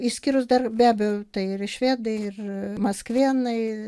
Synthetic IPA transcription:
iːʃsʲkʲiːɾʊsd̪ɐrbʲæːbʲɛjɛʊt̪ɐɪɪɾɪʃʲʋʲeːd̪ɐɪɪrmɐskʋʲiɛnɐɪ

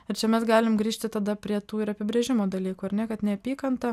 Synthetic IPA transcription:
ɪɾt͡ʃʲɛmʲɛsɡɑːlʲɪmɡɾʲiːʃʲt̪ʲɪt̪ɐd̪ɐpʲɾʲiɛt̪uːɪɾɐpʲɪbʲɾʲeːʒʲɪmoːd̪ɐlʲiːkuːɐɾnʲɛkɐt̪nʲɛɐpʲiːkɐnt̪ɐ

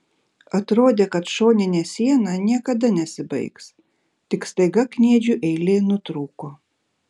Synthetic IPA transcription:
ɐt̪ɾoːd̪ʲeːkɐt̪ʃoːnʲɪnʲeːsʲiɛnɑnʲiɛkɐd̪ɐnʲɛsʲɪbɐ̰ɪks | t̪ʲɪkst̪ɐɪɡɐknʲiɛd͡ʒʲuʔɛɪlʲeːnʊt̪ɾuːkoː

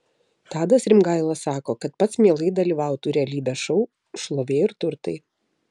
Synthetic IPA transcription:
t̪ɑːd̪ɐsɾʲɪmɡɐɪlˠɐssɑːkoːkɐt̪pɐt̪smʲiɛlˠɐɪd̪ɐlʲiːʋɐʊt̪uːɾʲɛlʲiːbʲɛːʃɔʊ | ʃlˠoːʋʲeːɪɾt̪ʊɾt̪ɐɪ

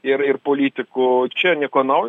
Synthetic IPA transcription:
ɪrɪrpoːlʲiːt̪ʲɪkʊt͡ʃʲɛnʲɛkoːnɐʊj

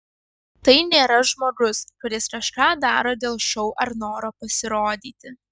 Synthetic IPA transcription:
t̪ɐɪnʲeːɾɐʒmoːɡʊskʊɾʲɪskɐʃkɑːd̪ɑːɾoːd̪ʲeːlˠʃʲɛʊʔɐɾnoːɾoːpɐsʲɪɾoːd̪ʲiːt̪ʲɪ

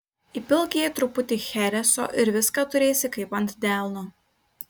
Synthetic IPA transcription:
ipʲɪlˠʲkʲiɛt̪ɾʊpʊt̪ʲɪxʲɛɾʲɛso̰ːʔɪɾʋʲɪskɑːt̪ʊɾʲeːsʲɪkɐɪpɐnʲt̪ʲd̪ʲælˠnʊ

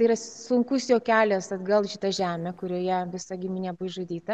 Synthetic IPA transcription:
ɐiɾɐsʊŋkʊsjoːkʲæːlʲɛsɐd̪ɡɐlˠʃʲɪt̪ɐʒʲæːmʲɛkʊɾʲoːjɛʋʲɪsɐɡʲɪmʲinʲɛbʊjʒud̪ʲiːt̪ɐ

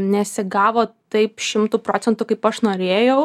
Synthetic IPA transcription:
nʲɛsʲɪɡɑːʋoːt̪ɐɪpʃʲɪmt̪uːpɾoːt͡sʲɛnt̪uːkɐɪpɐʃnoːɾʲeːjɛʊ

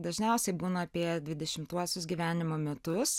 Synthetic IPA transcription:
d̪ɐʒʲnʲɛʊsʲɛɪbuːnɐɐpʲiɛd̪ʲʋʲɪd̪ʲɛʃʲɪmt̪uɔsʲʊsɡʲiːʋʲæːnʲɪmoːmʲɛt̪ʊss

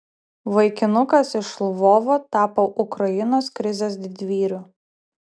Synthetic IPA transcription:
ʋɐɪkʲɪnʊkɐsɪʃlˠʋoːʋoːt̪ɑːpoːʔʊkɾɐjɪnoːskɾʲɪzʲeːsd̪ʲɪd̪ʲʋʲiːɾʲuː

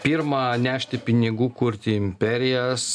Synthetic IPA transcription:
pʲiːɾmɐnʲæːʃʲt̪ʲɪpʲɪnʲɪɡuːkʊɾʲt̪ʲɪɪmʲpʲɛɾʲɪjɛs

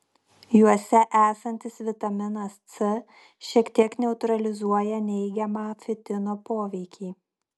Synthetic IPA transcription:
juɔsʲɛʔæːsɐnʲt̪ʲɪsʋʲɪt̪ɐmʲɪnɐst̪sɨ | ʃʲiɛkt̪ʲiɛknʲɛʊt̪ɾɐlʲɪzuɔjɛnʲɛɪɡʲɛmɑːfʲɪt̪ʲɪnoːpoːʋʲɛɪkʲiː

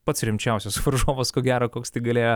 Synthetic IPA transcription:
pɐt̪sɾʲɪmʲt͡ʃʲɛʊsʲosʋɐɾʒoːʋoːskoːɡʲæːɾoːkoːkst̪ɐɪɡɐlʲeːjo

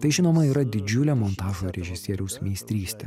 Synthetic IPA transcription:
t̪ɐɪʒʲɪnoːmɐiːɾɐd̪ʲɪd͡ʒʲʊlʲɛːmɔnt̪ɑːʒoːɾʲɛʒʲɪsʲiɛɾʲɛʊsmʲisʲt̪ʲɾʲiːsʲt̪ʲḛ

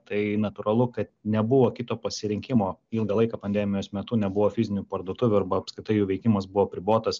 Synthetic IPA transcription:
t̪ɐɪnɐt̪uːɾɐlˠʊkɐt̪̚nʲɛbʊʋoːkʲɪt̪oːpɐsʲɪɾʲɪŋʲkʲɪmoːɪlˠɡɐlˠɐɪkɐːpɐnʲd̪ʲæːmʲɪjoːsmʲɛt̪unʲɛbʊʋoːfʲɪzʲɪnʲupɐrd̪oːt̪ʊʋʲʊɐrbɐɐpskɾʲɪt̪ɐɪjuːʋʲɛɪkʲɪmɐsbʊʋoːpʲɾʲɪboːt̪ɐs

